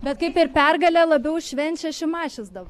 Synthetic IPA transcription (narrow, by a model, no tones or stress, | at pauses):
bʲɛt̪kɐɪpɪɾpʲɛrɡɐlʲɛlˠɐbʲɛʊʃʲʋʲɛnʲt͡ʃʲɛʃʲɪmɑːʃʲɪzd̪ɐʋɐ